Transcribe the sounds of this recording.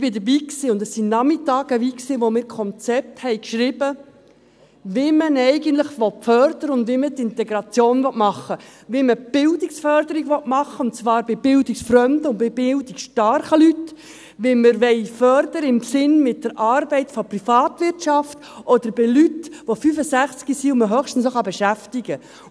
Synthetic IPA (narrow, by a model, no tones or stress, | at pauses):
b̥ɪdəbiːksɪʊndɛsːinɑmɪtɑːɡəviːksiʋomɪːɾkʰɔnt͡sɛp̚thɛɪkʃɾɪbə | ʋemənɛɪɡən̩tləχʋɔt̚fœɾdəɾəʊndʋimətɪntɛɡɾɑt͡sjoːnvɔtmɑχːəʋiməb̥ɪldiksfœɾdəɾiɡʋɔtmɑχːəʊntt͡svɑːɾbɪb̥ɪldiksfɾœmd̪əʊnbɪb̥ɪldikʃtɑɾχəlyt | ʋiməɾʋɛɪfœɾd̪əɾəɪmsɪnmɪt̚d̥əɾʔɑːɾbɛɪtfɔprifɑːtʋɪrtʃɑft | ʔɔd̪̥əɾbɪlytʋofyfəsæχt͡skisiʊməɦœχʃtn̩snoχɑbɛʃæftiɡə